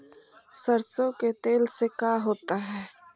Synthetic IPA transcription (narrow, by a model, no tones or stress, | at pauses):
səɾsõket̪eːlsekaːɦoːt̪aɦɛː